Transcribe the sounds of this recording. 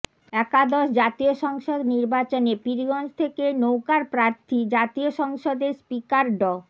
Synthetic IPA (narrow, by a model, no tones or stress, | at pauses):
ɛkad̪ɔʃd͡ʑat̪ioʃɔŋʃod̪niɾbat͡ɕonepiɾɡɔnd͡ʑt̪ʰekenowkaɾpɾaɾt̪ʰid͡ʑat̪ioʃɔŋʃod̪eɾspikaɾɖɔ